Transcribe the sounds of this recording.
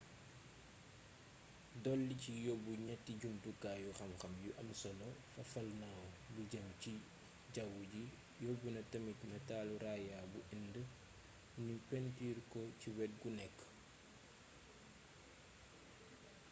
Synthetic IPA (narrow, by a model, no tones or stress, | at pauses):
dɔlːicijɔbuɲɛtːiɟumtukːaːjuxɐmxɐmjuʔɐmsɔlɔfɐfɐlnawbuɟɐmci | ɟawuɟi | jɔbunɐtɐmitnɐtaːluɾaːjaːbuʔɛndə | ɲupɛntiːrkɔciwɛt̚ɡunɛkː